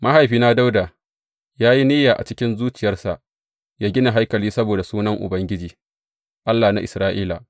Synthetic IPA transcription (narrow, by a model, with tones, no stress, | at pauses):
mʔa˦ɦa˨jɸiː˨˦na˦da˦wdaː˨ | jaː˦ji˦niː˦jaː˨ʔa̰˨t͡ʃɪ˦kʲɪ˦nzuː˦t͡ʃɪ˨jɐ˦rsa˨ʔ | jaː˦ɡʲɪ˦na˨ɦa˦jkɐ˨liː˦sɐ˦boː˨da˨suː˦nɐ˦ŋʔʊ̰˨bɐ˦ŋɡʲɪ˦d͡ʒiː˨ | ʔa˦lːaː˨na˦ʔɪ˨sɾaː˦ʔiː˦la˨ʔ